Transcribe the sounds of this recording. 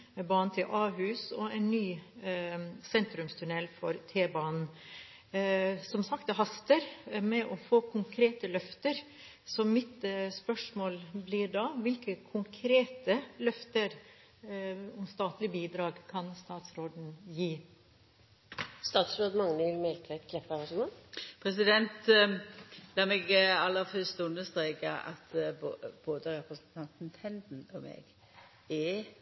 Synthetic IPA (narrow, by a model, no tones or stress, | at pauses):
bɑːn̩t̪ʰɪlʔɑːɦʉːsɔɛɪnːyː | sɛnt̪ɾʉmst̪ʰʉnɛlfɔɾt̪ʰeːbɑːnn̩ | sɔmsɑkt̪ɛɦɑst̪əɾmɛʔɔfoːkʰʊŋkʰɾeːt̪əlœft̪əɾ | sɔmɪt̪spœʂmoːlblɪɾɖɑʋɪlkəkʰʊŋkʰɾeːt̪əlœft̪əɾ | ɔmst̪ɑːt̪lɪəbiːd̪ɾɑːɡkʰɑnst̪ɑːt̪sɾoːd̪n̩jiː | st̪ɑːt̪sɾoːd̪mɑŋnəʋɪlmɛlt̪ʰæt̪kʰlɛpːəʋɑsɔmɔpʰɾɛs̬ɪd̪ɛnt̪ | lɑːmɛɡɑlːəɾfœst̪ʉnːəst̪ɾeːkəʔɑ̰t̪ːb̥oːd̪əɾɛpɾəsnt̪ʰɑnt̪n̩t̪ʰɛnd̪n̩ɔmḛːɡ | ɛ